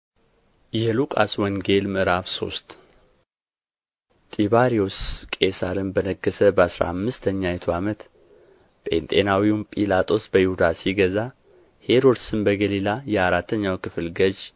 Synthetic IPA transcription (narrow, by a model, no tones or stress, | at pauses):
jɛlukʼa̰swɔŋɡe̞lmɨɾafso̞̰st̪ | t̪ʼiβaɾioskʼesaɾɨnbənəɡəsəbəasɾa̰amːɨst̪ʰəɲːajɛt̪ʰoamət̪ | pʼe̞̰nt̪ʼe̞nawiumpʼilat̪ʼo̞sbəjihud̪asiɡəza | he̞ɾod̪sɨnbəɡəlilajɛaɾat̪ʰːəɲːawkɨfɨlɡəd͡ʒ